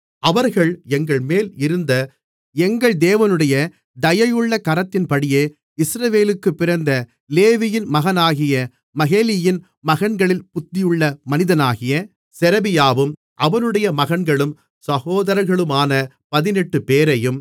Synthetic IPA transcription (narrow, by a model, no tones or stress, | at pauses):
ɐʋɐɾɣɐɭɛŋɡɐɭmeːlɪɾɯnd̪ɐ | ɛŋɡɐɭd̪eːʋɐnɯɽɐjɐ | d̪ɐjɐjɯɭːɐkɐɾɐt̪ːɪnpɐɽɪjeː | ɪsɾɐʋeːlɯkːɯpːɪɾɐnd̪ɐ | leːʋɪjɪnmɐɣɐnaːɣɪjɐ | mɐɣeːlɪjɪn | mɐɣɐɳɡɐɭɪlpʊt̪ːɪjɯɭːɐmɐnɪðɐnaːɣɪjɐ | sɛɾɐbɪjaːʋɯm | ʔɐʋɐnɯɽɐjɐmɐɣɐɳɡɐɭɯm | sɐɣoːðɐɾɐɾɣɐɭɯmaːnɐ | pɐðɪnɛʈːɯpeːɾɐjɯm